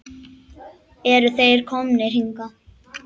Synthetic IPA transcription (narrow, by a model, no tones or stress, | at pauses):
ɛɾʏθejɾ̥kʰɔmnɪr̥iŋka